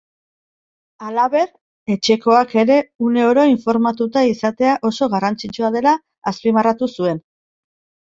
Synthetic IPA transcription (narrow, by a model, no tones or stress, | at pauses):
alaβe̞ɾ | e̞t͡ʃe̞ko̞ake̞ɾe̞une̞oɾo̞iɱfo̞ɾmat̪ut̪aisat̪e̞aʔo̞so̞ɣarant͡sit͡ʃuað̞e̞laː | spimarat̪usue̞n